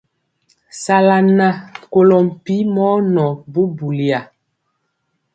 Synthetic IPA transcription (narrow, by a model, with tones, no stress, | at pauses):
sa˨la˨na˦ko˨lɔ˨m̩˨pi˨˦mɔ˦nɔ˨bu˦bu˨li˨a˨